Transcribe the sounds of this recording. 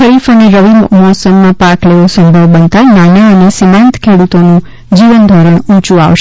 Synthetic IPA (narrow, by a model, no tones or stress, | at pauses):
əɾifəneɾəʋimmɔsəmːãpakleʋosə̃mbʱəʋbənt̪ananaənesimãnt̪kʰeɽut̪onũ | d͡ʒiʋənd̪ʱɔɾəɳũt͡ʃua̰ʋʃe